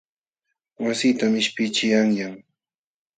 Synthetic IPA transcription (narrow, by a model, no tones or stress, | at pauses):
wasiːt̪amɪʃpɪt͡ʃɪjaŋjaŋ